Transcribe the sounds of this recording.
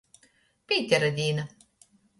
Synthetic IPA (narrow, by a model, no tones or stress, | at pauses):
pʲiːt̪ʲɛɾɐd̪ʲiːnɐ